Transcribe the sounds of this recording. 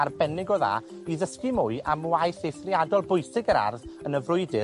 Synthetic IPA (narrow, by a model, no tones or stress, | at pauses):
arbɛnɪɡɔða̰iðəskɪmʊɨʔamwajθejθriadɔlˠbʊɨsɪɡəɾa̰rðənəvrʊɨdɪ